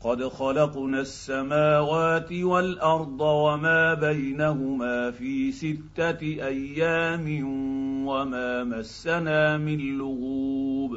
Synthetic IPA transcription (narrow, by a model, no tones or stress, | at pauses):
qɑd̪xɑlɑqnaːsːamaːwaːt̪ɪwalʔɑɾˤd̪ˤɑwamaːbajnahʊmaːfiːsɪt̪ːaʔajːaːmɪwamaːmasːanaːmɪnlʊɣuːb